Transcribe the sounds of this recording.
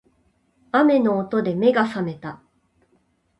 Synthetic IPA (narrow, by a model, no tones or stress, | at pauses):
ame̞no̞ːt̪o̞d̪e̞me̞ɡasame̞t̪a